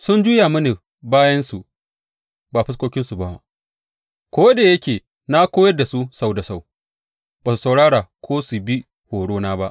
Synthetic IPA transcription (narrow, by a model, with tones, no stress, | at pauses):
sʊ˦nd͡ʒuː˦ja˨mɐ˦ni˨ | baː˦jɐ˦nsu˨ | baː˨ɸɪ˦s̬kʷoː˦kʲɪ˦nsu˨ba˦wa̰˦˨ | kʷoː˦daː˨jɐ˦kʲeː˨ | na˦kʷoː˦jɐ˦rda˨su˦sa˦wda˨sa˦˨w | baː˨su˨sa˨wɽaː˦ɽaː˨kʷʰoː˦su˨bi˦ | hoː˨ɽoː˦naː˦ba˦ʔ